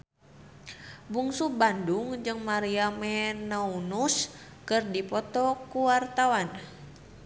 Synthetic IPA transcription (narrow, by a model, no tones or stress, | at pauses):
buŋsubanduŋd͡ʒɨŋmaɾiamɛnaunus | kɨrdipɔt̪ɔkuwart̪awan